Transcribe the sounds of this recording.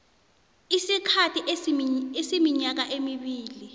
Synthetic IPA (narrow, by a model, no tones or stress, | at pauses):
isikʰatʰiʔesimiɲak̬aʔemiɓiːli